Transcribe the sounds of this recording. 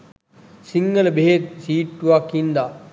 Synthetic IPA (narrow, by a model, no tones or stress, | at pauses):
siŋɡələbeɦet̪̚siːʈːuʋakhind̪a